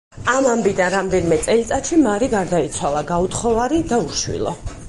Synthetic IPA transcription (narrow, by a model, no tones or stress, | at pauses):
amambid̪anɾamd̪ɛnimɛt̪sʼɛlit̪sʼat̪ʃimaɾiɡaɾd̪ait̪sʰwalˠaɡaut̪χɔvaɾid̪auʃwḭlˠɔ̰